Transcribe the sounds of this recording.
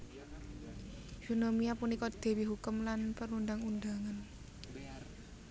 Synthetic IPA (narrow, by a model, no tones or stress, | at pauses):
ʒ̥onomiapunikɔd̪̥e̤wiɦukʊmlanpəɾund̪aŋund̪aŋan